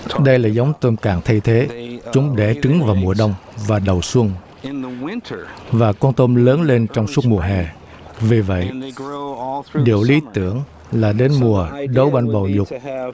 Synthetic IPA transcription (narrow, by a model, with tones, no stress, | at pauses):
ɗə˧jlaː˨˩za˨˦wŋ͡mt̪o˧mka̰ː˧˨ŋt̪ʰə˧jt̪ʰe˨˦t͡ɕʊ˨˦ŋ͡mɗɛ˧˩t͡ɕɨ˨˦ŋvaː˨˩wmu˨˩əɗə˧wŋ͡mvaː˨˩ɗə˨˩wswə˧n | vaː˨˩kwaː˧nt̪o˧mləː˨˦nle˧nt͡ɕɔ˧wŋ͡msu˦˥t̚mu˨˩əɦɛ˨˩ | vi˨˩və̰˧˨j | ɗḭ˧˨əwli˨˦t̪ɨ̰˧˥˨əŋ | laː˨˩ɗe˨˦nmu˨˩əɗə˨˦wɓa˧nɓə˨˩wzʊ˨˩k͡p̚